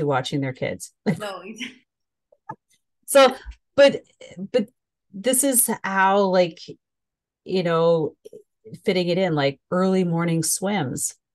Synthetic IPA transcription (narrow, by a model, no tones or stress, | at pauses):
ɨwɑt͡ʃɪ̃ŋðə˞kʰɪ̰dz̥no | soʊ | b̥ʌt̪̚ | b̥ʌt̪̚ | ðɪsɨz̥haʊlaɪk | jʔɨnoʊ | fɪɾɪ̃ŋɨɾɪ̃nlaɪk̚ɜ˞lˠimɔɹnɪ̃ŋswɪ̃mz̥